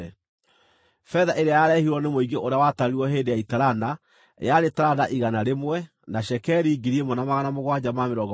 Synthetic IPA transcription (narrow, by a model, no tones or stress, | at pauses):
fɛðaʔeɾeajaɾɛhiɾɔnemoiɡeʔoɾeawataɾeɾiwɔɦeːndejaitaɾana̰ | jaɾetaɾanaʔiɣanaɾemwɛ | naɕɛkɛɾiːɡiɾiemɔnamaɣanamoɣwad͡ʑamameɾɔɡɔ